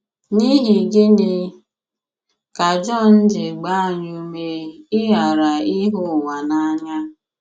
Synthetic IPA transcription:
ni˦ɦi˨ɡɪ˦nɪ˦ | ka˨d͡ʒɔ˦˨n̩˦d͡ʒɪ˨ɡ͡ba˦˨ɲu˨me˨ɪ˦ɦa˨ɾa˨ɪ˦ɦʊ˦˨wa˨na˦ɲa˦

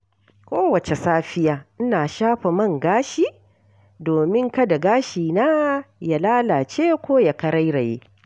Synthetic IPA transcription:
kʷoː˦wɐ˨t͡ʃe˨saː˦ɸɪ˦jaː˨ʔɪ˦naː˨ʃaː˦ɸa˨mɐ˦˨ŋɡaː˦ʃiː˨ | doː˨mɪ˦ŋkɐ˦da˨ɡaː˦ʃiː˨naː˦ja˨laː˦laː˨t͡ʃeː˦kʷoː˦ja˨kɐ˦ɾɐ˦jɾa˨jḛː˦

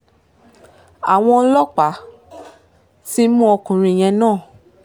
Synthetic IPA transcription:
a˨w̃ɔ̃˧˦lɔ˦k͡pa˨˦ | ti˦mũ˦ɔ˧kũ˨ɾ̃ĩ˧˨j̃ɛ̃˧nãː˦˨

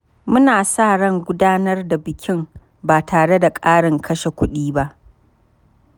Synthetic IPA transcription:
mʊ˦naː˨sa˦˨ɽɐ˦ŋɡʷʊ˦daː˦nɐ˦rda˨bɪ˨kʲɪ˦m | baː˨tʰaː˨ɽe˦da˨kʼaː˦ɽɪ˨ŋkʰɐ˦ʃe˨kʷʊ˦ɗiː˦ba˦ʔ

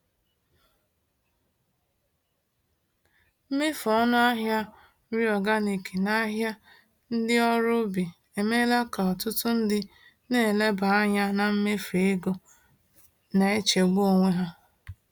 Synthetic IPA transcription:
m̩˦me˦fɔ˦nʊ˦a˦ɦja˦ | ɾi˦ɔ˨ɡa˦ni˨ki˨na˦ɦja˦ | n̩˦dɪ˦ɔ˦ɾʊ˦bi˨ | e˨me˦la˦ka˨ɔ˨tʊ˦tʊ˦n̩˦dɪ˦ | ne˦˨e˨le˦ba˨a˦ɲa˦na˨m̩˦me˦fe˨˦e˦ɡo˨ | na˨e˦t͡ʃe˨ɡ͡bu˦o˨ŋʷe˦ɦa˦

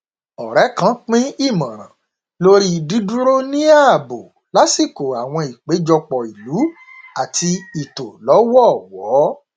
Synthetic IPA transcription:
ɔ˨ɾɛ˨˦kã˨˦k͡pĩ˦i˦˨mã˨ɾ̃ã̰˨ | lo˦ɾi˦˨di˨˦du˦ɾo˦nĩ˦a˦˨bo˨ | la˨˦si˦˨ko˨a˨w̃ɔ̃˧i˨k͡pe˨˦d͡ʒɔ˧k͡pɔ˨i˨lu˨˦ | a˨ti˧i˨to˨lɔ˨˦wɔ˦˨wɔː˨˦

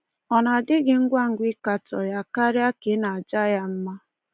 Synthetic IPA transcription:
ɔ˨na˨dɪ˦ɡɪ˨ŋ̩˦ɡʷa˦ŋ̩˨ɡʷɪ˦ka˨tɔ̰˨ja˦ka˦ɾja˦kɪ˨˦na˨a˨d͡ʒa˦ja˦m̩˦ma˦

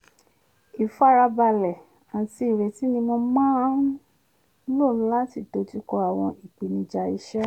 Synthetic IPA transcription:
i˨fa˦ɾa˧ba˧˨lɛ˨ | a˨ti˧˦i˨ɾe˨ti˨˦nĩ˧mõ˧mãː˦ | lo˦˨˦la˦ti˧˨do˨˦ti˦kɔ˧a˨w̃ɔ̃˧i˨k͡pi˨nĩ˧d͡ʒa˧i˦ʃɛ˦

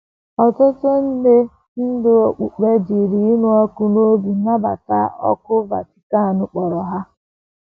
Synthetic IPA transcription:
ɔ˨tʊ˦tʊ˦n̩˦de˦ | n̩˦dɪ˦o˨k͡pu˨k͡pe˦d͡ʒi˨ɾi˨˦nu˦ɔ˦kʊ˦no˦ɡu˨na˦ba̰˨ta̰˦ɔ̰˦kʊ˦va̰˨ti̥˨ka˦a˨nʊ˨k͡pɔ˨ɾɔ˨ɦa˦

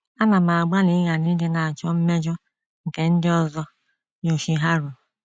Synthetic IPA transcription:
a˦na˨ma˨ɡ͡ba˦li˦ɣa˨ni˦de˦na˨a˨t͡ʃɔ˦m̩˦me˦d͡ʒɔ˦ | ŋ̩˨ke˨n̩˦dɪ˦ɔ˦zɔ˦ | ɲo˨ʃi˨ɦa˦ɾu˨

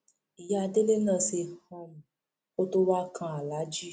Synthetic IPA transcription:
i˨ja˧de˦le˦nãː˦˨se˧hɔ̃˧mũ˨ | ko˦to˦wa˦kʰã˧a˨la˨˦d͡ʒi˦

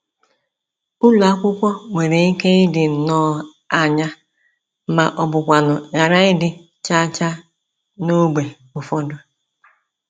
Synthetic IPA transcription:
ʊ˦lu˨a˦kʷʊ˦kʷɔ˦ŋʷe˨ɾe˨i˦ke˦ɪ˦dɪ˨nɔː˦ | a˨ɲa˦ | ma˨ʔɔ˨bʊ˨kʷa˨nʊ˨ɣa˨ɾa˦ɪ˦dɪ˨ | t͡ʃa˦t͡ʃa˦ | no˦ɡ͡be˨ | ʊ˨fɔ˦dʊ˦

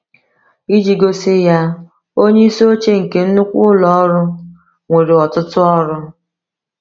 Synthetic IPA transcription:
i˦d͡ʒi˨ɡo˦sɪ˦ja˦ | o˦ɲe˦i˦so˦t͡ʃe˦ŋ̩˨ke˨n̩˦nʊ˦kʷʊ˦lɔ˨˦ɾʊ˦ | ŋʷe˨ɾe˨ɔ˨tʊ˦tʊ˦ɔ˦ɾʊ˦

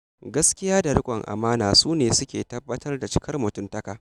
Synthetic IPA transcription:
ɡɐ˦skʲɪ˦jaː˦da˨ɽʊ˦kʷʼɔ˨ŋʔa̰˨maː˦naː˨suː˦neː˨sʊ˦kʲḛː˨tɐ˦bːɐ˦tʰɐ˦rda˨t͡ʃɪ˦kʰɐ˦rmʊ˨tʊ˦mtɐ˦kaː˨ʔ

